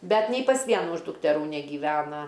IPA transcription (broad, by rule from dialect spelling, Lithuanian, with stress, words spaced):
ˈbʲɛt nʲɛɪ pɐs ˈʋʲiɛnʊ ɪʃ dʊktʲɛˈruː nʲɛɡʲiːˈʋʲæːnɐ